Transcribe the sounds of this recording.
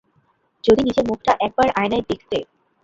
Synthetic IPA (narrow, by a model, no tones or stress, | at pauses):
d͡ʑod̪inid͡ʑeɾmuk̚ʰʈaʔɛk̚baɾʔajnajd̪ekʰt̪e